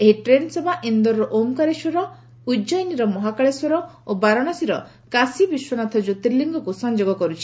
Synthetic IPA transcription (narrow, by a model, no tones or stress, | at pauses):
eɦiʈɾensebʱaʔind̪ɔɾɾɔʔomkaɾeʃɔɾɔ | ud͡ʒɔjniɾɔmɔɦakaɭesɔɾɔobaɾɔɽ̃asiɾɔ | kasibiʃwɔnat̪ʰɔd͡ʒut̪iɾliŋɡʱɔkusɔnd͡ʒoɡɔkɔɾut͡ʃʰi̥